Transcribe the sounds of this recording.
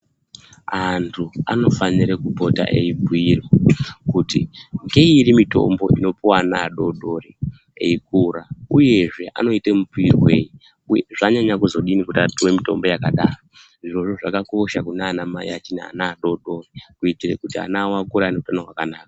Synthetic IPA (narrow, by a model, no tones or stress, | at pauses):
ɦantʰua̰no̞faniɾekupo̞ta̰ʔeibʱuirwakutiŋɡe̞iɾimito̞̰mbo̞̰ino̞puwanaːɗo̞ɗo̞ri | ḛikuɾauje̞ʐe̞ʔa̰no̞itemubuirweːji | ʐaɲaɲakuzo̞ɗinikutatuwemito̞̰mbo̞jakaɗaːro | ʐiro̞ʐoʐakako̞ʃakunaːnamaiat͡ʃinaa̰naːɗo̞ɗo̞rikuitirekutia̰nawakuɾanekutanarwakanaːka